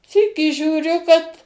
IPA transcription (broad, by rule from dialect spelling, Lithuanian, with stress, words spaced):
ˈsʲiːkʲiː ʒʲuːˈrʲʊ kɐt